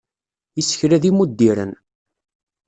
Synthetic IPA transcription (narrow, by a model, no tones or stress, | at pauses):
əsːə̥çɾæðimud̪ːiɾə̰n